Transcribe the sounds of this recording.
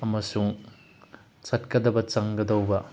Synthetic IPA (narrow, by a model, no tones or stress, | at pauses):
ɐmɐsuŋ | sɐt̚kɐdɐbɐt͡ʃɐŋɡɐd̪ɐwbɐ